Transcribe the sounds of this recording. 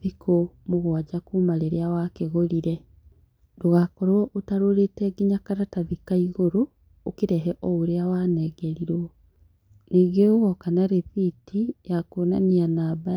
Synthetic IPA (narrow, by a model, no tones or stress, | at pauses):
ðikʰomoɣwad͡ʑakumaɾeɾeawakeɣoɾiɾɛ | doɣakɔɾwɔʔotaɾoɾetɛɡiɲakaɾataðikaiɣoɾoː | keɾɛɦɛʔɔoɾeawanɛɡɛɾiɾwɔ | niːɡeoɣɔkanaɾeθitijakoːnanianaːba